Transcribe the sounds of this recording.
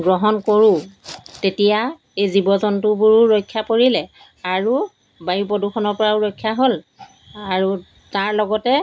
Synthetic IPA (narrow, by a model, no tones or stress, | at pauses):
ɡɹɔɦɔnkoɹutetija | ejzibɔzɔntʊbuɹuɹojkʰːjapoɹilɛ | aɹu | bajupɔduxʰɔnɔɹpɔɹauɹojkʰːjaɦol | aɹu | taɹlɔɡɔtɛ